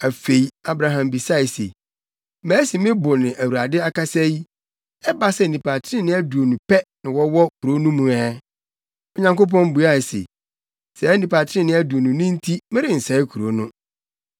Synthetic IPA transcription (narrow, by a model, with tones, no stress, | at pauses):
æ˨fe˨i˨a˨bɾã˨ɦã˨mbi˨sa˦i˨sḛ˨ | mæ̃ː˨˦si˨mɪ̃˦bʊ˨nɪ̃˨ʔæ˨wu˨ɾa˨dɪ˦a˦ka˦sɛ˦ji˦ | ɛ˦ba˦sɛ˦˨nĩ˨pʰa˨tʰɪ˦ɪ̃˦nɪ̃˦æ˦du˨o˨nũ˨pʰɛ˦nɪ̃˨wɔ˦wɔ˦kʰu˨ɾo˦nũ˦mũ˨ɛ˦ | ɔ˨ɲã˨ŋko˦p̬ɔ̃˦nbu˨a˦˨sḛ˨ | sɛ˨˦nĩ˨pa˨tʰɪ˦ɪ̃˦nɪ̃˦æ˦du˨o˨nʊ̃˨nɪ̃˦n̩˦tʰi˦mɪ̃˦ɾɪ˨n̩˨sɛ˨˦ɪ˦kʰu˨ɾo˦nʊ̃˦